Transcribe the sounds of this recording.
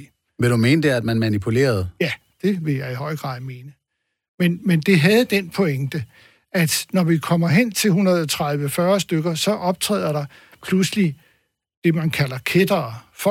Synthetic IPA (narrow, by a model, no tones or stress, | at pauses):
ʋeɾ̥ume̝ːnəd̥eæd̥mænmænipʰule̝̰ːɐð̞̩ˠjæ | d̥e̝ʋe̝jɑ̈ɪihɒ̽ɪ̰ɡ̥ʁɑ̰̈ːð̰ˠme̝ːnə | menmend̥e̝ɦæð̞̩ˠd̥enpʰoeŋd̥ə | ʔæd̥nɒʋikʰɒ̽m̰ɐɦen̰t͡sʰe̝lɦunʁɐð̩ˠɒt͡sʰʁäð̞ˠʋəfɶɐsd̥øɡ̥ɐsɒ̽ʔɒ̽b̥̚t͡sʰʁɛ̰ːð̰ˠɐɾɑ̈ | pʰlusli | d̥e̝mænkʰælɐkʰed̥ɐːf